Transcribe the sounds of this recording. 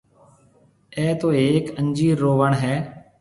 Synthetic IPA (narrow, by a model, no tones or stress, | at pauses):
ɛːt̪oːeːkənd͡ʒiːɾoːʋəɳɦɛː